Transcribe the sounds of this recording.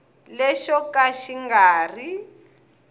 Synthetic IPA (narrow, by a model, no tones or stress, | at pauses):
lɛʃɔkaʃiŋɡaːri